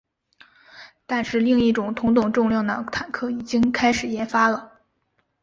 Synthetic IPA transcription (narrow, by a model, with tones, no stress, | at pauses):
t̪a˥˧nʂɻ̩˥˧li˥˧ŋi˥˩ʈ͡ʂʊ˨˩ŋt̪ʰʊ˧˥ŋt̪̬ʊ˨˩ŋʈ͡ʂʊ˥˧ŋljɑ˥˩ŋd̪ə˨˩t̪ʰa˨˩nkʰɤ˥˩i˨˩t͡ɕi˥ŋkʰa˥ɪʂɻ̩˨˩jɛ˧˥nfa˥lə˨